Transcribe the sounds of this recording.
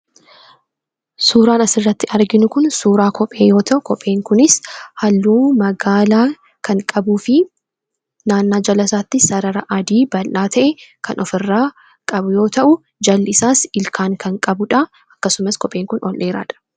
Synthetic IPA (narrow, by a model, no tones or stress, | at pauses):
suːɾaːnɐsɪrːɐt̪ːɪʔɐɾɡɪnʊkʊnsuːɾaːkʰɔpʼe̞ːjo̞ːt̪ʰɐʔʊkɔpʼːe̞ːŋkʊnɪshɐlːuːmɐɡaːlaː | kɐŋkʼɐbuːfɪ | naːnːaːd͡ʒɐlɐsaːt̪ːɪsɐɾɐɾɐʔɐd̪iːbɐlʔaːt̪ʰɐʔɛkɐnʔɔfɪrːaː | kʼɐbʊjo̞ːt̪ɐʔʊ | d͡ʒɐlːɪsaːsɪlkʰaːŋkɐŋkʼɐbʊᶑɐ | ɐkːɐsʊmɐskɔpʼe̞ːŋkʊnɔlʔe̞ːɾa̰ːᶑɐ̥